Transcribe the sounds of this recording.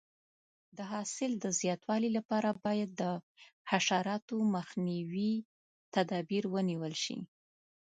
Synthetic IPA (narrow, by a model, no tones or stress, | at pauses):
d̪əɦɑsɪld̪əzjɑt̪wɑlilapɑɾabɑjad̪̚ːəhaʃɑɾɑt̪oməxniwi | t̪ad̪ɑbiɾwəniwəlʃḭ